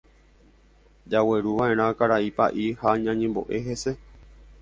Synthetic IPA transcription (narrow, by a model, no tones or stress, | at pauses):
d͡ʒaweɾuʋãʔe̞ɾ̃ãkaɾaipaʔihaɲãɲẽmbo̞̰ʔe̞ɦe̞se̞